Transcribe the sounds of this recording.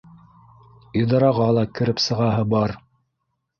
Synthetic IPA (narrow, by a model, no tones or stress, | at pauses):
id̪ɑɾɑʁɑlˠɑkɘ̆ɾɘpsɤ̆ʁɑɦɤbɑɾ